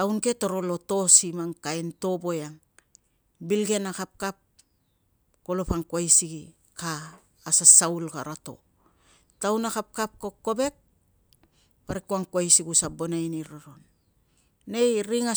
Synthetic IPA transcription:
awnke̞to̞ɾo̞lo̞to̞simaŋkaento̞bo̞jaŋ | bilɡe̞nakap̚kap̚ | kolo̞paŋkwajsiɡi | kaː | sasaulka̰ɾato̞̰ | tawnakap̚kap̚koko̞be̞k̚ | paɾikuaŋkwajsiɡusabo̞najniɾaɾonː | ejɾiŋa

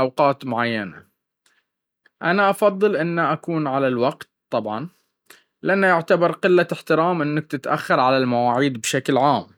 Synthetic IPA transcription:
awqɑːt̪mʊʕajːana | ʔanaʔɑfɑðˤːɨlʔɪnːaʔakuːnʕalalwaqt̪t̪ˤːɑbʕɑn | lɪʔanːajɪʕt̪abɑɾˤqɪlːaħt̪ɪɾaːmʔɪnːak̚t̪ɪt̪ʔa̰xːɑɾˤʕalalmawaːʕiːd̪bʃaklʕaːm

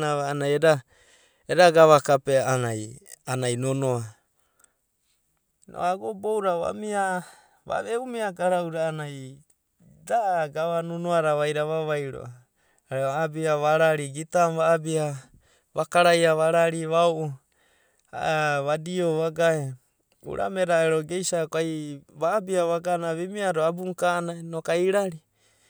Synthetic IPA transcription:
aβaanajeda | eɾaɡaβakapeanajanajnonoa | nʔo̰aɡobowɾaβa̰mia | βa̰βeumiaɡaɾawɾaːnaj | daɡaβanonoaɾaβajɾaβaβajɾo̰ | aɾeaabiaβaɾaɾiɡitamβaːbia | βakaɾajaβaɾaɾiβaoʔu | a̰βadioβaɡae | ṵɾʔa̰meɾaeɾoɡejsakoajβaːbiaβaɡanaβimiaɾoabuŋkanajnokaiɾaɾi

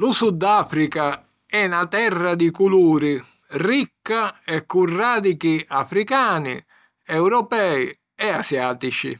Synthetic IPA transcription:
lusud̪ːaːfɾika | ɛnat̪ɛrːad̪ikuluːɾi | rikːaɛkːurːaːd̪ikiafɾikaːnḭ | ɛwɾɔpɛːji | ɛasjaːt̪it͡ʃḭ

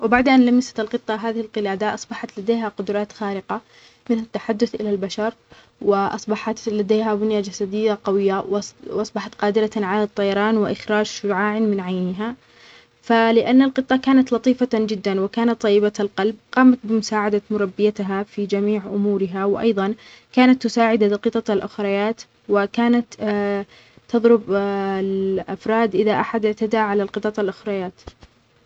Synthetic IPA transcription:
wɪbaʕd̪ʔanlamɪsḁt̪ɪlqɨt̪ˤːɑɦaːðɪhɪlqɪlaːd̪aʔɑsˤbɑħɑt̪lad̪eːɦaqʊd̪ɾˤɑːt̪xaːɾɪqa | mɪθlat̪ːaħad̪ːʊθʔɪ̰lalbaʃɑɾˤ | wɪʔɑ̰sˤbɑħɑt̪lad̪eːɦabʊnjad͡ʒasad̪ɪjːaqɑwɪjːawʔɑsˤbɑħɑt̪qɑːd̪ɪɾɑʕalat̪ˤːɑjɑɾˤɑːnwɪʔɪxɾaːd͡ʒʃʊɾʕaːʕnmɪnʕajnɪɦa | falɪʔanːalqɨt̪ˤːɑkaːnat̪lɑt̪ˤiːfad͡ʒɪd̪ːanwɪkaːnat̪ˤːɑjːɪbalqɑlb̚qɑːmat̪̚bɪmʊsaːʕad̪amʊɾˤɑbːɪjat̪ɦafid͡ʒamiːʕʔʊmuːɾɪɦawɪʔɑ̰jðˤɑn | kaːnat̪ːʊsaːʕɪd̪aqɨt̪ˤɑalʔʊxɾˤɑjaːt̪ | wɪkaːnat̪ | t̪ːɑðˤɾʊblʔa̰fɾˤɑːd̪ʔɪðaʔaħad̪ʔɪʕt̪ad̪aʕalalqɨt̪ˤɑt̪ˤalʔʊxɾˤɑjaːt̪

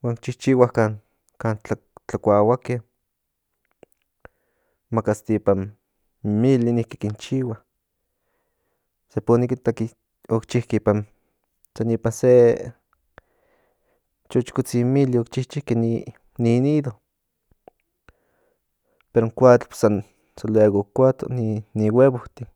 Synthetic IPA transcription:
waːnkt͡ʃiht͡ʃiwahkan | kaːnt͡ɬa | t͡ɬakʷawakeh | makast̪ipan | milinihki̥kint͡ʃiwah | seponikit̪aki | okt͡ʃihkeipan | sanipanse | t͡ʃot͡ʃkut͡similiokt͡ʃiht͡ʃihkeni | niniðo | peɾoŋkʷat͡ɬpsan | selweɣokʷat͡ɬ̪o̰niniweβoht̪i

